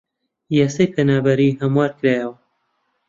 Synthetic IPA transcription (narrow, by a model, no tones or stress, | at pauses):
jasɐjpʰenaːbɐɾiɦɐmwaːɾkɾajɛwɐ